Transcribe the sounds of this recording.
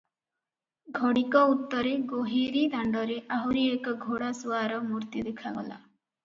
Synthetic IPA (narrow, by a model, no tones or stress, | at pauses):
ɡʱɔɽikɔut̪ːɔɾeɡoɦiɾid̪ʱaɳɖɔɾeʔaɦuɾiekɔɡʱoɽasuaɾɔmuɾt̪ud̪ekʰaɡɔla̰